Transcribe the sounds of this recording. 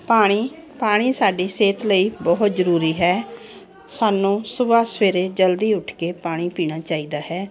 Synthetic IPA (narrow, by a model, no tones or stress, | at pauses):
paːɽ̃iː | paːɽ̃iːsaːɖiːseːt̪ləiːbɔːɦʊt̪zəɾuːɾiːɦɛː | saːnũːsʊbaːsʋeːɾeːd͡ʒəld̪iːʊʈʰkeːpaːɽ̃iːpiːɽ̃aːt͡ʃaːiːd̪aːɦɛː